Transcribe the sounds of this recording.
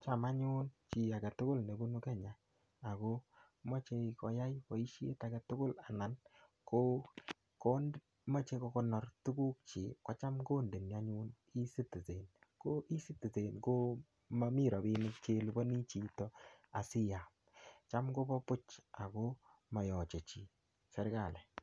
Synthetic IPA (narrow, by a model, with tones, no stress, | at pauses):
t͡ʃa˨ma˦ɲu˦nt͡ʃi˨a˨ɡa˨tʊ˦kʊ˦lne˨bu˦nu˦kɛ˦ɲa˨ | a˨ko˦ | mo˦t͡ʃe˧kɔ˨ja˦jko˨i˦ʃjḛ˦ta˨ɡa˨tʊ˦kʊ˦la˨na˨n | ko˦ | ko˦nd | mɔ˦t͡ʃe˧ko˧ko˦nɔ˨rtu˦ku˦k̚t͡ʃi˨kɔ˦t͡ʃa˦mko˦nde˨n˨a˦ɲu˦n | i˦si˦ti˨se˨nko˦i˦si˦ti˨te˨nko˦ | ma˦mi˦ɾɔ˨bi˦nɪk̚t͡ʃe˦lu˨bo˦ni˦t͡ʃi˨tɔ˦a˨sɪ˦ja˨ | t͡ʃa˦mɡo˦bɔ˦pʊ˦t͡ʃa˨ko˦ | mɔ˨jɔ˨t͡ʃe˨t͡ʃi˨ | sɛ˦ɾɡa˨lɛ˨